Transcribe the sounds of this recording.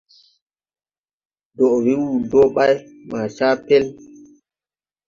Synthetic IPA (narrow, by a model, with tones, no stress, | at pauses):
dɔ˨wi˦wu˦˨do˦ɓa˦jma˨t͡ʃaː˦pɛ˦l